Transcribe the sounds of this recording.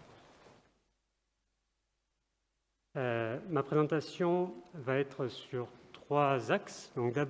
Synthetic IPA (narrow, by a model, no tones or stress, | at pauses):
mapχezɑ̃t̪asjɔ̃vaɛt̪χəsyʁt̪χwazaksd̪ɔ̃klab